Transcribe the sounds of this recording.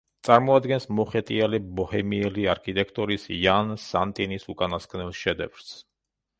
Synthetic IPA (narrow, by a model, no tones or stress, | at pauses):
t̪sʼaɾmɔad̪ɡɛnsmɔχɛt̪ʼialibɔhɛmiɛliaɾkʰit̪ʼɛkʰt̪ʼɔɾisjansant̪ʼinisukʼanaskʼnɛlˠʃɛd̪ɛ̰vɾs